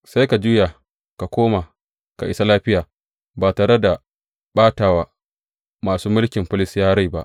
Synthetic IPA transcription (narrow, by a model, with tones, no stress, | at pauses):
sa˦jka˨d͡ʒuː˦jaː˨ | ka˨kʷoː˦maː˨ | ka˨ʔɪ˦sa˦laː˦ɸɪ˦jaː˨ | baː˨taː˨ɽe˦da˨ | ɓaː˦taː˨wa˨ | maː˨suː˦mʊ˦lkʲɪ˨mɸɪ˦lɪ˦sjaː˦ɽa˦jba˦ʔ